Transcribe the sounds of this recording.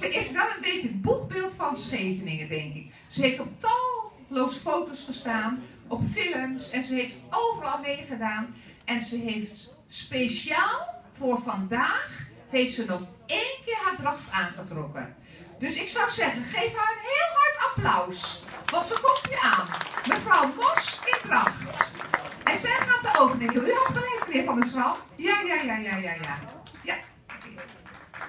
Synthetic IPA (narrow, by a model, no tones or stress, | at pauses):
əɪsdɔtənbɪːtəbuxbɪːlˠtfɑnsxeːvənɪŋədɛŋkɪk | səɦejftɔp̚tɑlˠ | lowzəfowtosχəstaːnʔɔpfɪləmsɛnzəɦejftowvərɑlˠmeːχədaːn | ʔɛnzəɦejft | speʃjaːlˠfʊːrvɑndaːx | hejftsənɔx | eːnkɪːɹɦaːdraxtaːnχətrɔkə | døsɪksɔwzɛɣənχejfhaːɹɦɪːlˠɦaɹtʰaplawsʋɑntsəkɔmtiaːnmənfrɔwmɔsɪndraxtʔɛnsɛjχaːntəʔowvəneːməjuiɔtχəlɛjkəklɪəfɔndəsawjajajajajajaja | k